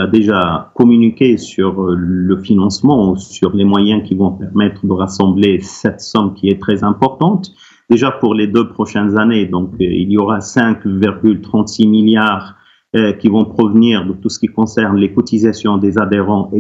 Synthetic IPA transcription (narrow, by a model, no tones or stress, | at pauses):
ad̪eʒakɔmynikʲesyʁləfinɑ̃smɑ̃usyʁlemwajɛ̃kʲivɔ̃pɛʁmɛt̪χəd̪əʁasɑ̃blesɛt̪sɔmkʲiɛt̪χɛzɛ̃pɔʁt̪ɑ̃t̪ | d̪eʒapuʁled̪øpχɔʃɛnzaned̪ɔ̃kḭljoʁasɛ̃kviʁɡylt̪χɑ̃t̪similjaːʁ | kʲivɔ̃pχɔvniːʁd̪ət̪usə̥kʲikɔ̃sɛʁnlekɔt̪izasjɔ̃d̪ezad̪eʁɑ̃e